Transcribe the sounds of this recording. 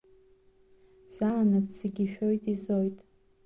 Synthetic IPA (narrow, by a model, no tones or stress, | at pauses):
z̥alanɨtseɡʲiʃᶣo̞jtʼizo̞jtʼ